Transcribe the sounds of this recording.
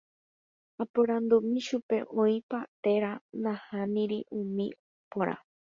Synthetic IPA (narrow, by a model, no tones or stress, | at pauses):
apoɾãnd̪umĩʃupe̞ʔõĩpat̪e̞ɾanãhãmĩɾiʔũmĩopoɾʔa̰